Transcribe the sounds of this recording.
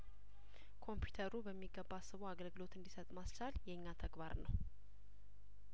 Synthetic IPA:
kʰo̞mpʰjut̪ʰəɾubəmːiɡːəbːasːɨβoaɡəlɡɨlo̞t̪ɨnd̪isət̪ʼmast͡ʃaljɛɨɲːat̪ʰəɡbaɾnəw

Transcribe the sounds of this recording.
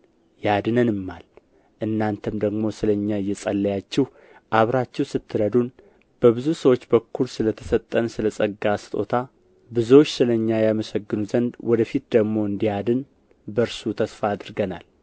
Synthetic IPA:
jad̪ɨnənɨmːal | ʔɨnːant̪ʰəmd̪əɡmo̞sɨləɲːaɪjːɛsʼəlːəjat͡ʃːɛh | ʔaβɾat͡ʃːɛwsɨt̪ʰːɨɾəd̪un | b̥əβɨzusəwo̞t͡ʃːbəkʰːulsɨlət̪ʰə̥sət̪ʼːənsɨləsʼəɡːasɨ̥t̪ʼo̞̰t̪ʰa | bɨzuwot͡ʃːsɨləɲːajaməsəɡːɨnuzənd̪wɔd̪əfit̪̚d̪əɡmo̞ɨnd̪ijad̪ɨn | bəɾsut̪ʰəsfaːd̪ɨɾɡənal

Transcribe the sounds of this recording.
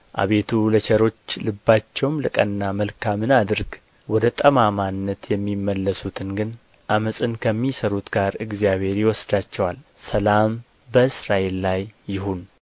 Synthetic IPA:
ʔa̰βe̞t̪ʰulət͡ʃʰəɾo̞t͡ʃːlɨbːat͡ʃːɛwmlɨkʼənːaməlkʰamɨnad̪ɨɾɡ | wɔd̪ət̪ʼəmamanːət̪jɛmːimːəlːəsut̪ʰɨnɡɨn | ʔaməsʼɨnkʰəmːisəɾut̪ɡaɾɨɡzjaβhe̞ɾjɪwɔsd̪at͡ʃːɛwalsəlam | bəɨsɾaʔe̞lːajːɪhun

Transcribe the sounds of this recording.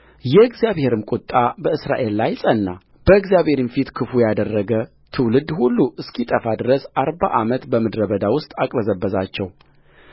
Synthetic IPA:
jɛɨɡzjaβhe̞ɾɨmkʼut̪ʼːabəɨsɾa̰ʔe̞lːajsʼənːa | b̥əɨɡzjaβhe̞ɾinfit̪kʰɨfujad̪ərːəɡə | t̪ʰɨwlɨd̪hulːuʔɨskʰit̪ʼəfad̪ɨɾəsʔaɾba̰ʔamət̪bəmɨd̪ɾəbəd̪awʊst̪ʼakʼɾəzəbːəzat͡ʃːɛw

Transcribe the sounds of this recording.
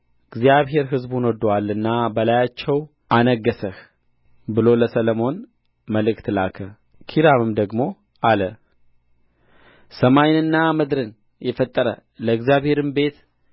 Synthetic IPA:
ɨɡzijaβɦe̞ɾɦɨzbunɔd̪walːɨnːabəlajat͡ʃːɛw | anəɡːəsəh | bɨlo̞ləsələmo̞n | məlɨkt̪lakʰə | kʰiɾamɨmd̪əɡmo̞ | ʔalə | səmajnɨnːamɨd̪ɾɨn | jɛfət̪ʼːəɾə̰ləɨɡzjaβhe̞ɾɨmbe̞t̪

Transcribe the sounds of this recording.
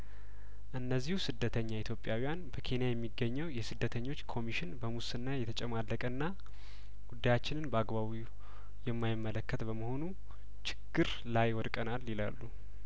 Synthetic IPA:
ʔɨnːəzːihusɨd̪ːət̪ʰəɲːait̪ʰjo̞pʼjawijanbəkʰe̞nijajɛmːiɡːəɲːɛwjɛsɨd̪ːət̪ʰəɲːo̞t͡ʃːkʰo̞miʃɪnbəmusɨnːajɛt̪ʰət͡ʃʼɛmalːəkʼənːa | ɡ̥ud̪ːajat͡ʃːɪnɨnbəaɡbaβi | jɛmːajɪmːələkːət̪bəməho̞nu | t͡ʃʰɪ̥ɡːɨɾ | lajwɔd̪kʼənalːila̰lːu

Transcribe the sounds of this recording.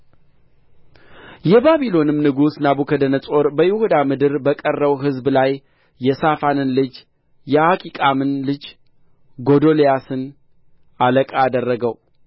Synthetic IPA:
jɛbaβilo̞nɨmnɨɡusnabukʰəd̪ənəsʼo̞ɾbəjɪhud̪amɨd̪ɨɾbəkʼərːəwɦɨzblajː | ɛsafanɨnlɨd͡ʒ | jɛʔakʼikʼamɨnlɨd͡ʒ | ɡo̞d̪o̞lejasɨn | ʔaləkʼaːd̪ərːəɡəw

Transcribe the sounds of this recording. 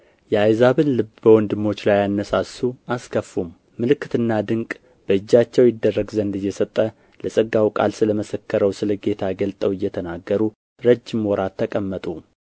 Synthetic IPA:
jɛajzaβɨnlɨbbəwɔnd̪ɨmːo̞t͡ʃːlajanːəsasuʔaskʰəfːumː | ɨlɨkːɨt̪ɨnːad̪ɨŋkʼ | b̥əɨd͡ʒːat͡ʃːɛwjɪd̪ːərːəɡzənd̪ɨjːɛsət̪ʼːə | ləsʼəɡawkʼa̰lsɨləməsəkʰːəɾəwsɨləɡe̞t̪ʰaɡəlt̪ʼəwɨjːɛt̪ʰənaɡːəɾu | ɾəd͡ʒːɪmwɔɾat̪ʰːəkʼəmːət̪ʼu

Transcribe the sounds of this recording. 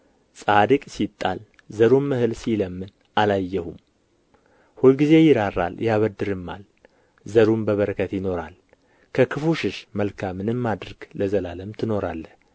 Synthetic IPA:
sʼad̪ɨkʼsit̪ʼːal | zəɾumːɨhɨlsiləmːɨn | ʔalajːɛhum | hulɡize̞jɪɾarːa̰ljaβəd̪ːɨɾɨmːa̰l | zəɾumbəβəɾəkʰət̪jɪno̞ɾa̰l | kʰəkʰɨfuʃɪʃməlkʰamːɨnɨmːad̪ɾɡ̥ləzəlaləmt̪ʰɨno̞ɾalːəh

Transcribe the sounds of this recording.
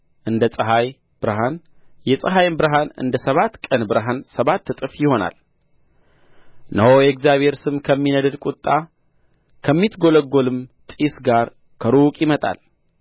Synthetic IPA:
ʔɨnd̪əsʼəɦaj | b̥ɨɾəɦan | jɛsʼəɦajbɨɾəɦanɨ̰nd̪əsəβat̪ːkʼənbɨɾəɦansəβat̪ʰːɨt̪ʼɨfjɪho̞na̰l | nəwojɛkzjaβhe̞ɾsɨmkʰəmːinəd̪ɨd̪kʼut̪ʼːa | kʰəmːit̪ɡo̞ləɡːolɨmt̪ʼisɡaɾ | kʰəɾokʼjɪmət̪ʼa̰l

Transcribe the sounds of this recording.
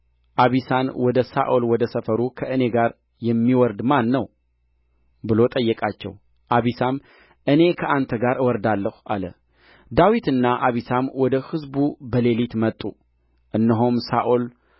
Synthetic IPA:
ʔaβisanwɔd̪əsa̰ʔolwɔd̪əsəfəɾukʰəʔɨne̞ɡaɾ | jɛmːiwɔɾd̪manːəw | bɨlo̞t̪ʼəjːɛkʼat͡ʃːɛ̰w | ʔaβisam | ʔɨne̞kʰəʔant̪ʰəɡaɾʔɨwɔɾd̪alːəhuʔa̰lə̰ | d̪awit̪ɨnːaʔaβisamwɔd̪əhɨzbubəle̞lit̪mət̪ʼːu | ʔɨnːɨɦomsaʔol

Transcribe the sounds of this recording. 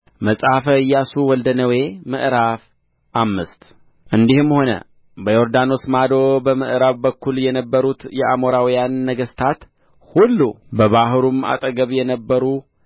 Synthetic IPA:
məsʼafəjːasuwɔld̪ənəwe̞mɨʔɾaf | ʔamːɨst̪ | ʔɨnd̪ihɨmho̞nə̰ | bəjo̞ɾd̪ano̞smad̪o̞bəmɨʔɾaβbəkːuljɛnəbːəɾut̪jɛʔamo̞ɾawijanːəɡəst̪ʰat̪ | hulːu | bəβaɦɾuma̰t̪ʼəɡəβjɛnəbːəɾu

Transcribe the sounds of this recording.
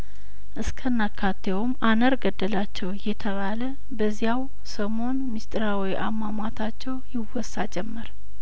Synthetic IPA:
ʔɨskʰənːakʰːat̪ʰːewmanəɾɡəd̪ːəlat͡ʃːɛwjɛt̪ʰəβalə | bəzijaw | səmo̞nmist̪ʼɾawiʔamːamat̪ʰat͡ʃːɛwjɪwɔsːad͡ʒɛmːəɾ

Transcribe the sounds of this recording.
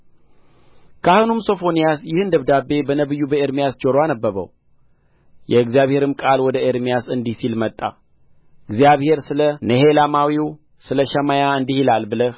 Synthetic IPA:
kʰahɨnumso̞fo̞nijasjɪhɨnd̪əβd̪abe̞bənəβɨjːubəeɾmijasd͡ʒoɾoanəbːəβə̰w | jɛɨɡzijaβhe̞ɾɨmkʼalwɔd̪əʔeɾmijasɨnd̪ihsilmət̪ʼːa̰ | ɨɡzijaβhe̞ɾsɨlənəɦelamawiw | sɨləʃəmajaɨnd̪ihilalbɨlə

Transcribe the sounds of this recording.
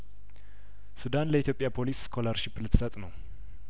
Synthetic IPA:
sud̪anləit̪jo̞pʼːjapʰo̞liskʰoləɾʃiplɨt̪ʰːsət̪ʼnəw

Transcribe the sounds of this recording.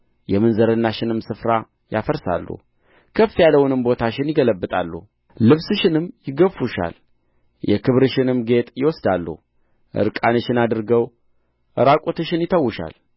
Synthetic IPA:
jɛmɨnzəɾɨnːaʃɪnɨmsɨfɾa | jafəɾsa̰lːṵh | kʰəfːijalːəwʊnɨmbo̞t̪ʰaʃɪnjɪɡələbːɨt̪ʼa̰lːṵhː | ɨβsɨʃɪnɨmːjɪɡəfuʃa̰l | jʔɛkʰɨβɾɨʃɪnɨmɡe̞t̪ʼjɪwɔsd̪alːṵh | ʔɨ̰ɾkʼanəʃɪnad̪ɨɾɡəw | ʔɨɾakʼot̪ʰɨʃɪnjɪt̪ʰəwːʊʃa̰l

